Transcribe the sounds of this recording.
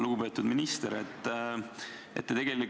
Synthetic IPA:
luɡupe̞ːt̪ːˑud̪minist̪eɾet̪ːˑ | et̪ːet̪eɡ̥e̞lik

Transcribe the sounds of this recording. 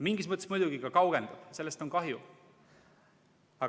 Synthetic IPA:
miŋɡismɤt̪ːˑsmujd̪̥uɡ̥ikɑkɑwɡ̥end̪ub̥se̞lːe̞st̪o̞ŋkɑɦju | ɑ

